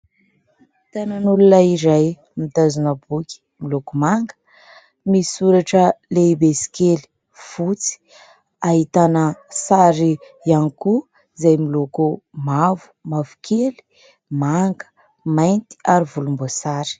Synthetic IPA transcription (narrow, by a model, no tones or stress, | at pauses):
it̪ananulunaiɾaj | mid̪azunəbukʲi̥ | milokumaŋɡə̥ | misuɾaʈ͡ʂəleibesi̥keli̥ | v̥ut͡si̥ | aɦit̪anəsaɾi | janiku | zajmilokumavu̥mavukʰeli̥ | maŋɡə̥ | majnt̪i̥aɾivulumbosaɾi̥